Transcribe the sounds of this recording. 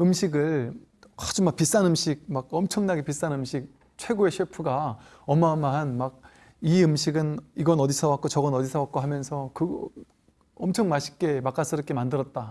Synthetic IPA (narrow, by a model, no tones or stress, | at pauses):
ɯmɕʰiɡɯɭ | ad͡ʑumak̚pis͈anɯmɕʰik̚maɡ̚ʌmt͡ɕʰʌŋnaɡepis͈anɯmɕʰik̚ | t͡ɕʰwe̞ɡoe̞ɕʰipʰɯɡa | ʌmːamːaɦanmaɡ̚ | iɯmɕʰiɡɯniɡʌnʌdisʰʌwak͈ot͡ɕʌɡʌnʌdisʰʌwak͈̚oɦamjʌnsʰʌkɯɡ | ʌmt͡ɕʰʌŋmaɕʰi̥k̚k͈e̞mak͈as͈ʰɯɾɯk͈emandɯɾʌt̚t͈a